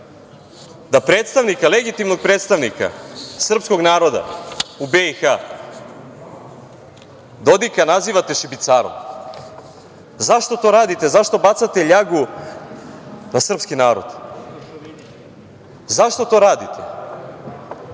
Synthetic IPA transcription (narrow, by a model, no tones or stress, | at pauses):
d̪apɾet̪st̪aʋnikaleɡit̪imno̞ɡ̚pɾeːt̪st̪aʋnika̰sr̩psko̞ɡnaːɾo̞d̪a̰ubeixa | d̪o̞d̪ikanaziːʋat̪e̞ʃibit̪saːɾo̰m | zaʃt̪o̞t̪o̞ɾaːd̪it̪e̞zaʃt̪o̞bat̪sat̪e̞ʎaɡu | nasr̩pskinaːɾo̞̰d̪̥ | zaʃt̪o̞t̪o̞ːɾaːd̪it̪ʰe̥